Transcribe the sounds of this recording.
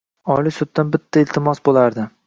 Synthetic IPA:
ɒlˠisʊd̪ːanbɪt̪ʰːaɪlt̪ʰɪmɒsbolaɾd̪ɪ

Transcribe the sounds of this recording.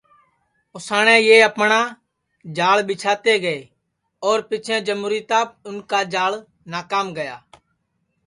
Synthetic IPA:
ʊsaːɽɛ̃ːjeːəpɳaː | d͡ʒaːɭɓɪt͡ʃʰaːt̪eːɡəeː | ɔːɾpɪt͡ʃʰɛ̃ːd͡ʒəmuːɾiːt̪aːp̚ʊnkaːd͡ʒaːɭ | naːkaːmɡəjaː

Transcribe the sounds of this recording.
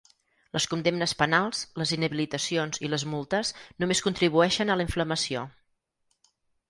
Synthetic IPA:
ləskund̪emnəspənalˠsləzinəβilit̪əsionziləzmulˠt̪əsnumeskunt̪ɾiβ̞uɛʃənələiɱfləməsio

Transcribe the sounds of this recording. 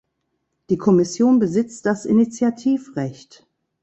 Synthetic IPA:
d̥iːkʰɔmɪsjoːnbəzɪt͡std̥asʔɪ̰nit͡sjatʰiːfʁɛçt

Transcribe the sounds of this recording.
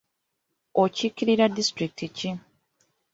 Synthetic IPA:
ocikiɾiɾadistɾik̚tici

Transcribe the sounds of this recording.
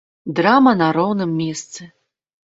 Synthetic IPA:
d̪ɾamɐnaɾɔwnɨmːʲɛst̪sɨ

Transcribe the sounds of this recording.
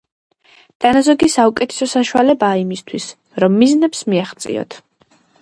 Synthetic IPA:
d̪̥anazɔɡisaukʼɛt̪ʰɛ̥sɔsaʃualɛbaːimist̪ʰwis | ɾɔmːiznɛpsmiaχt̪sʼḭɔ̰t̪ʰ

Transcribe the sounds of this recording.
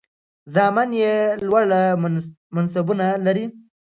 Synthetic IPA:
zɑmanjelwaɽa | mans̬abunalaɾi

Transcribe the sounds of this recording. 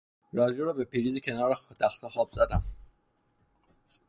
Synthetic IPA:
ɾɒːd͡ʒuɾɒːbepʰiːɾiːzicʰenɒːɾet̪ʰæxt̪ʰɑxɒːbzæd̪æm

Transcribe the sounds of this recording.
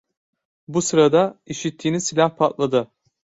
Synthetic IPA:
busɯɾad̪aiʃit̪ʰːiːnisilʲahpʰat̪lˠad̪ɯ

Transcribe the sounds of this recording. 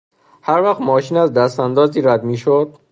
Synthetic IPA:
hæɾvæxt̪mɒːʃiːnæzd̪æst̪ænd̪ɒːziːɾæd̪miːʃod̪̥

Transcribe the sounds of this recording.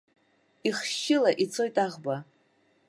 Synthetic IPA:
iχʃɪlaʔit͡sʰo̞jtʼaʁba

